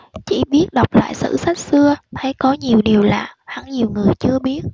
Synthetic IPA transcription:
t͡ɕḭ˧˩ɓi˦˥ət̚ɗa˨˩wk͡p̚la̰ː˧˨jsɨ̰˧˥sa˦˥k̚sɨ˧ət̪ʰə˨˦jkɔ˨˦ɲi˨˩əwɗi˨˩əwla̰ː˨˩h̪ʰa̰˧˩˥ŋɲi˨˩əwŋɨ˨˩əjt͡ɕɨ˧əɓi˦˥ət̚

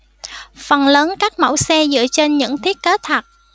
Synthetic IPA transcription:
fə˨˩nləː˨˦nkaː˦˥k̚mə̰˧˥wsɛ˧zɨ̰˧˨ət͡ɕe˧nɲɨ̰˧˥ŋt̪ʰi˦˥ət̚ke˨˦˥t̪ʰə˨˩t̚

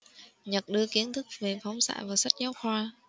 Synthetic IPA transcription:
ɲə˨˩t̚ɗɨ˧əki˨˦ənt̪ʰɨ˦˥k̚ve˨˩fɔ˨˦wŋ͡msa̰ː˧˨jvaː˨˩sa˦˥t̚ɲa˨˦wxwaː˧

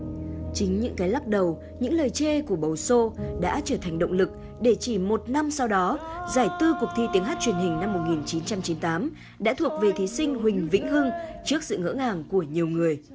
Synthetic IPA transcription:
t͡ɕï˨˦ŋ̟ɲɨ̰˧˥ŋkaː˨˦jla˦˥k̚ɗə˨˩w | ɲɨ̰˧˥ŋləː˨˩jt͡ɕe˧ku˧˩əɓə˨˩wso˧ɗa̰ː˧˥t͡ɕəː˧˩t̪ʰɛ˨˩jŋ̟ɗə̰˧˨ŋ͡mlɨ˨˩k̚ | ɗe˧˩t͡ɕi˧˩mo˨˩t̚na˧msa˧wɗɔ˨˦zaː˧˩jt̪ɨ˧kʊ˨˩k͡p̚t̪ʰi˧t̪i˨˦əŋɦaː˦˥t̚t͡ɕwi˨˩ənɦï˨˩ŋ̟na˧mːo˨˩t̚ŋi˨˩nt͡ɕi˨˦nt͡ɕa˧mt͡ɕi˨˦nt̪aː˨˦m | ɗa̰ː˧˥t̪ʰu˨˩ək̚ve˨˩t̪ʰi˨˦sï˧ŋ̟ɦï˨˩ŋ̟vḭ˧˥ŋ̟ɦɨ˧ŋt͡ɕɨ˦˥ək̚sɨ̰˧˨ŋə̰ː˧˥ŋaː˨˩ŋku˧˩əɲi˨˩əwŋɨ˨˩əj

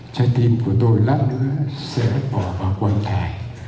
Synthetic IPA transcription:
t͡ɕɔ˧t̪i˧mku˧˩ət̪o˧jlaː˦˥t̚nɨ̰˧˥əsɛ̰˧˥ɓɔ˧˩˦vaː˨˩wkwa˧nt̪ʰaː˨˩j

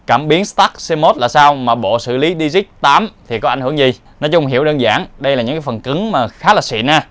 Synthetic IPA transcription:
kaː˧˩mɓi˨˦ənst̪aː˦˥k̚se˧mo˦˥t̚laː˨˩saː˧wmaː˨˩ɓo̰˧˨sɨ̰˧˩li˨˦ɗi˧zi˦˥k̚t̪aː˨˦mt̪ʰi˨˩kɔ˨˦a˧˩ŋ̟hɨ˧˩əŋzi˨˩ | nɔ˨˦jt͡ɕʊ˧wŋ͡mɦi˧˩əwɗəː˧nza̰ː˧˩ŋɗə˧jlaː˨˩ɲɨ̰˧˥ŋkaː˨˦fə˨˩nkɨ˨˦ŋmaː˨˩xaː˨˦˥laː˨˩sḭ˧˨naː˧˩

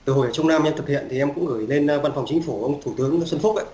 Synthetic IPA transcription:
t̪ɨ˨˧˩ɦo̰˧˩jʔəː˧˩t͡ɕə˧wŋ͡mnaː˧mʔɛ˧nt̪ʰɨ˨˩k̚hḭ˧˨ənt̪i˨˩ʔɛ˧mkʊ̰˧˥ŋ͡mɣɨ˧˩jle˧nː˧va˧nfɔ˨˩wŋ͡mt͡ɕï˨˦ŋ̟fu˧˩ʔə˧wŋ͡mt̪ʰu˧˩t̪ɨ˨˦əŋ˧sə˧nfʊ˦˥k͡p̚ʔə̰˧˨

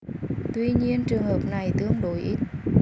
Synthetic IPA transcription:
t̪wi˧ɲi˧ənt͡ɕɨ˨˩əŋhəː˨˩p̚na˨˩jt̪ɨ˦˧əŋɗo˨˦jʔi˦˥t̪̚

